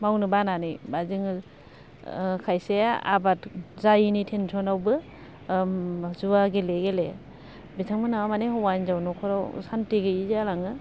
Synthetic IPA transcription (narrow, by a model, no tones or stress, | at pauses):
mawnɯbananɯjbazɯŋ | kʰajsea̰batzajinitʰensʰɔnawbɯ | zuaɡeleɡele | bitʰaŋmɯnawamanehɔwanzawnɔkʰɔɾawsantiɡɯizalaŋɯ